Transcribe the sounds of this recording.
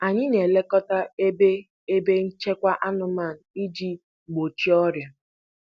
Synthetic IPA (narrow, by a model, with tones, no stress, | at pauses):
a˨ɲɪ˦ne˨le˦kɔ˦ta˦e˦be˦ | e˦be˦n̩˦t͡ʃe˦kʷa˦ʔa˦nʊ˨ma˦˨n̩˨i˦d͡ʒi˦˨ | ɡ͡bo˨t͡ʃi˦ɔ˦ɾja˨